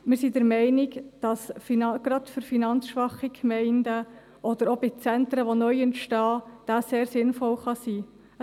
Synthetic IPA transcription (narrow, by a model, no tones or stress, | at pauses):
mɪɾsidəɾmɛɪnɪɡd̥ɑsfinɑɡ̥ɾɑdfyɾfinɑnt͡sʃʋɑχikʰmɛɪndə | ʔɔd̪əɾɔbit͡sɛnt̪ɾəʋonœjɛntʃtɑːd̥æseːɾsɪnfɔlχɑsiː | ə